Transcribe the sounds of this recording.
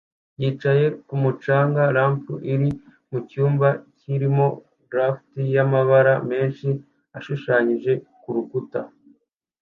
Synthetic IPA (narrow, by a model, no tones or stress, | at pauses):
jiːt͡ʃaje̞kumut͡ʃaːŋɡaɾaːmfuʔiɾi | mucuːmbaciɾimo̞ | ɡɾaːftijamaβaɾame̞ːnʃi | aʃuʃaːɲiʒe̞kuɾukuta